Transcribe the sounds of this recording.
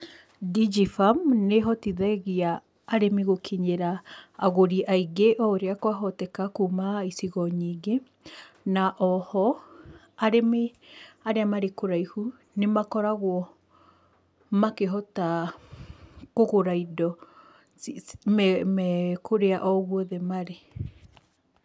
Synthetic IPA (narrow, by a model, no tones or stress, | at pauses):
did͡ʒifamneɦɔtiðɛɣiaː | ɾemiɣokʰiɲeɾaːɣoɾiʔaiɡeʔɔoɾeakwaɦɔtɛkakuːmaisiɣɔɲiːɡe | naʔɔhɔ | aɾemeaɾeamaɾekoɾaihu | nemakɔɾaɣwɔ | makeɦɔta | koɣoɾaidɔ | mɛmɛkʰoɾeaʔɔɣwɔðɛmaɾe